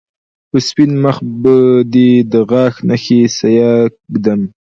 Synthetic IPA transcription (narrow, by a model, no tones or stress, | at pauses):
pəspinməxbəd̪id̪əɣɑːxnaxesajɑkd̪am